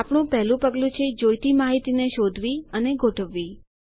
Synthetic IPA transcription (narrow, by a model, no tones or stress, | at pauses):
apɳ̃ũpɛɦlũpəɡlũt͡ʃʰed͡ʒojt̪imaɦit̪ineʃod̪ʱʋiəneɡʱoʈʰəʋːi